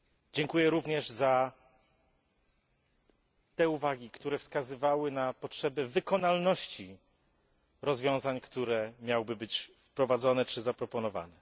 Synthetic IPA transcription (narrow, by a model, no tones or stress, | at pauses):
d͡ʑɛŋkujɛɾuvɲɛʐza | t̪ɛuvaɡʲikt̪uɾɛfskazɘvawɘnapɔtʂɛbɛvɘkɔnalnɔɕt͡ɕi | ɾɔzvʲjɔ̃w̃zaɲkt̪uɾɛmʲjawbɘbɘt͡ɕfpɾɔvad̪zɔnɛt͡ʂɘzapɾɔpɔnɔva̰nɛ